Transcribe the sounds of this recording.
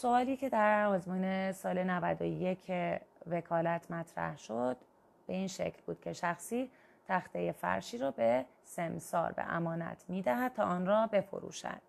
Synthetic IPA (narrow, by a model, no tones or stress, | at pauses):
so̞ɒːliːcʰe̞d̪æɾɒːzmuːnesɒːle̞nævæd̪ojecʰeve̞kʰɒːlæt̪ʰmæt̪ʰɾæ̰hʃo̞d̪̥ | b̥e̞iːnʃḛcʰlbuːd̪̥cʰe̞ʃæxsiː | t̪ʰæxt̪eje̞fæ̰ɾʃiːɾɒːbe | semsɒ̰ːɾbḛʔæ̰mɒːnæ̰t̪ʰmiːd̪æɦæd̪̚t̪ʰɒːʔɒːnrɒːbe̞fo̰ɾṵːʃæ̰d̪̥